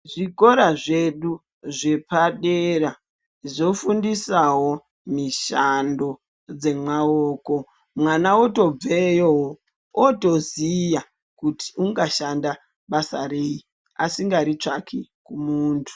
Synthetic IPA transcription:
ʐiko̞ɾaʐe̞ɗu | ʐe̞paɗera | ʐo̞fundisawo̞ | miʃando̞ | d͡ze̞maoːko | mwanaoto̞b͡vejoɦo | oto̞zija | kuti̥uŋɡaʃanda | ɓasarei | asiŋɡaɾit͡ʂakʰikumuːntʰu̥

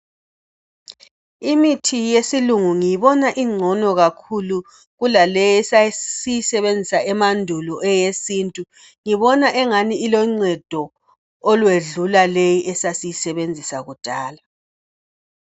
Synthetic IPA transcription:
imitʰijesiluŋuŋijiβɔnaʔiŋ͡ǀʱɔnɔɣakʰulu | ɣulalejɛsasijisɛβend͡zʱisaɛmandʱulɔʔɛjesintʼu | ŋiβɔnaʔɛŋaniilɔŋ͡ǀɛd̥ʱɔ | ɔlweɮulalejiʔɛsasijisɛβend͡zʱisaɣud̥ʱaːla

